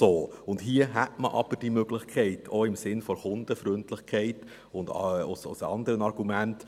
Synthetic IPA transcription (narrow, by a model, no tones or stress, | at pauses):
oːʊndɦiəɦætməʔɑb̥əd̥imøɡlɪχkʰɛɪtʰoɪmsɪnfɔɾχʊnd̥əfɾʏntlɪχkʰɛɪt | ʊndɑʊsʊ̰sɑ̰nd̪əɾənɑɾɡ̥umænt